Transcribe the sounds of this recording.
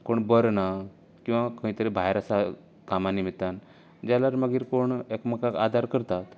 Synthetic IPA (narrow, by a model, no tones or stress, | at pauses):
koɳbəɾna | kĩw̃ʋakə̃ɦĩt̪əɾibʱajɾasa | kamanimit̪ːan | d͡ʑalaɾməɡiːɾkoɳekməkaka̰d̪ʱaɾkəɾt̪at̪